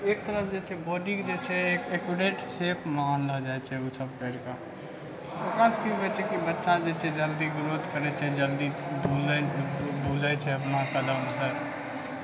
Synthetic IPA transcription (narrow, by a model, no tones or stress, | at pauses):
eːk̚t̪əɾəsd͡ʒɛːt͡ʃʰɛbɔːɖĩkd͡ʒet͡ʃʰɛeːkeːkwɪɖeːʈseːpʰmaːnlad͡ʒaːet͡ʃʰɛusʰəb̚kɛːɾka | pokaːskiɦoɛt͡ʃʰɛkibətːʃãd͡ʒɛt͡ʃʰɛd͡ʒəld̪iɡɾoːd̪kəɾɛt͡ʃʰɛd͡ʒəld̪ibʱuːlebʱuːlat͡ʃʰɛɐpnat̪əd̪amsɛ